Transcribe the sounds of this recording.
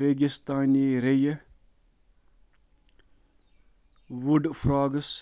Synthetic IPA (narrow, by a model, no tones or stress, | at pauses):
ɾeːɡist̪aːniɾejɐ | ʋuɖfʰɾaːɡs